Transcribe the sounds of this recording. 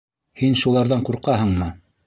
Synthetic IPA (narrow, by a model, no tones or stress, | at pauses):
hinʃulˠɑɾðɑɴquɾqɑɦɤ̆ɴmɤ